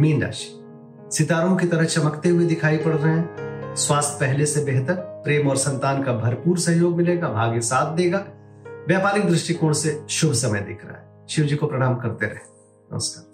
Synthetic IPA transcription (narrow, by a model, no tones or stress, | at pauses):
miːnda̰ːʃ | sɪt̪aːɾõkit̪ɐɾəɦt͡ʃɐməkt̪eɦʊid̪ɪkʰaːipɐɽɾɐɦɛ̃swaːst̪̚ʰpɛɦlesebɛɦt̪əɾpɾeːmɔːɾsɐ̃nt̪aːnkabʱɐɾpuːɾsɐ̃ɦjoːɡmɪleːɡabʱaːɡisaːt̪̚ʰd̪eːɡa | ʋjaːpaːɾɪk̚d̪ɾɪʃʈikoːɽseʃʊbʱsɐməjd̪ɪkʰɾɐ̰a̰ɦɛ | ʃɪʋd͡ʒikopɾɐɽ̃aːmkɐɾt̪eɾɐ̰ɦe | nɐ̰məskaːɾ